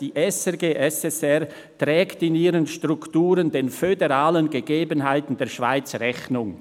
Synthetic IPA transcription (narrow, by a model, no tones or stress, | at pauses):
d̥iːʔɛsɛɡeːʔɛsɛsɛʁ | tʁɛːktɪniːɾənʃtʁ̥ʊktuːɾəndeːnfødeʁaːlənɡəɡeːbənɦaɪtn̩deːɐʃv̥a̰ɪt͡sʁɛçnʊŋ